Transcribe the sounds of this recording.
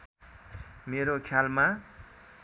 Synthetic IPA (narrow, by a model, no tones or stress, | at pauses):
meɾokʰjalma